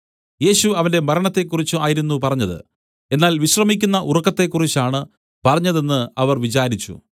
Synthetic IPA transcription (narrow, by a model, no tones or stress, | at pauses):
je̞ːɕuɐʋɐnde̞mɐɾɐɳɐt̪ːe̞kːurit͡ɕːuaːjiɾunːupɐrɐɲːɐðɨ̰ | e̞nːaːlʋiɕrɐmikʲːunːɐʔurɐkːɐt̪ːe̞kːurit͡ɕːaːɳɨ | pɐrɐɲːɐðe̞nːɨɐʋɐrʋit͡ɕaːɾit͡ɕːṵ